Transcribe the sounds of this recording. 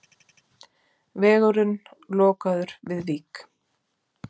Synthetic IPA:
vɛːɣʏɾʏnlɔːkaðʏɾ̥vɪðviːk

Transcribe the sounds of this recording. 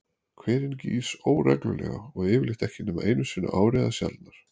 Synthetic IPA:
kʰvɛːɾɪnciːsoːwrɛklʏlɛ̰ːɣa̰ɔɣɪːvɪlɪxt̪ɛhcɪnɛːmaʔejnʏsiːna̰ʔaːwɾɛːðasja̰lt̪naɾ̥

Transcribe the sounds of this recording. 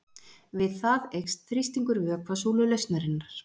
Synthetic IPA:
vɪðθaðejxst̪θɾist̪iŋkʏɾvœkʰvasuwlʏlejst̪naɾɪnːaɾ̥

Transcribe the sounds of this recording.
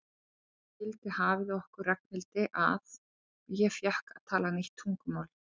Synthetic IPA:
ɪlt̪ɪhaːvɪðɔhkʏrraknɪlt̪ɪʔa̰ð | jɛfjahkað̥t̪ʰaːlaaniht̪ʰːuŋkʏmaːwl

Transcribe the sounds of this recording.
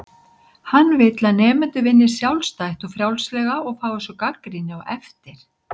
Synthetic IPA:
hanːvɪt̪laðnɛːmʏnt̪ʏvɪnːɪ̥sjawlst̪ajht̪ɔfɾjawlslɛɣaɔɣfaːwɛsɔkakɾinɪa̰wʔɛ̰ft̪ɪɾ̥

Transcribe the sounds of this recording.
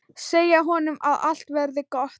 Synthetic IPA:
seːjaɦɔnʏma̰ða̰l̥t̪vɛɾðɪkɔht̪

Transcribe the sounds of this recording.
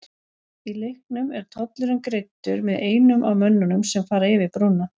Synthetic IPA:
ilɪhknʏmɛɾ̥t̪ʰɔt̪lʏɾɪmkɾejt̪ːʏɾmɛðeːjnʏmʔawmœnːanʏmsɛmfaːɾaɪvɪpɾunːa

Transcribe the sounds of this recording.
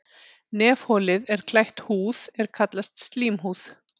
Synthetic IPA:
nɛːfhɔːlɪðɛɾ̥kʰlajht̪huːðɛɾ̥kʰat̪last̪st̪liːmɦuːθ

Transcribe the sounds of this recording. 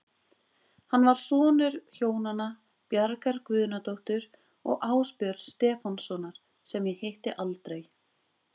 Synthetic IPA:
hanːvaɾ̥sɔːnʏɾ̥çoːwnana | pjaɾkaɾkvʏːðnat̪owht̪ʏɾ | ɔ̰ɣʔaːwspjœɾst̪ɛːfɔnsɔnaɾ̥ | sɛmjɛheht̪ɪʔalt̪ɾej

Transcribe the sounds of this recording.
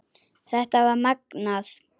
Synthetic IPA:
θɛht̪avaɾmaknaθ

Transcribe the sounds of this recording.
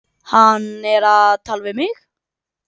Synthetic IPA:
hanɛɾat̪ʰalvɪmɪɣ

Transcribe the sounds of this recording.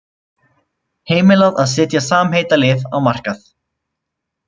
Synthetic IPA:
heːjmɪlaðaðs̬ɪːt̪jasaːmheːjt̪alɪːvawmar̥kaθ

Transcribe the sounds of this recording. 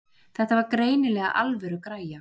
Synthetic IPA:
θɛht̪avaɾkɾeːjnɪlɛːɣa̰ʔalvɛɾʏkɾaːja

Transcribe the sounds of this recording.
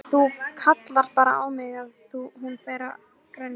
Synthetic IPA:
θukʰat̪laɾ̥̚paːɾa̰aːwmɪɣaðθuɦunfeːjɾa̰ | kɾan

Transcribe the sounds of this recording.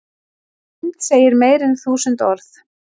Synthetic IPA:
mt̪seːjɪɾmeːjɾɛnθuːsʏnt̪ɔɾθ

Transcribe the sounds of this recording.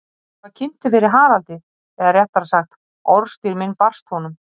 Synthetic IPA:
kvaðcʰɪnt̪ʏvɛːɾɪɦaːɾalt̪ɪ | θɛɣaɾrjɛhp̪aɾsaxt̪ | ɔɾst̪iɾmɪnpar̥st̪hɔnʏm

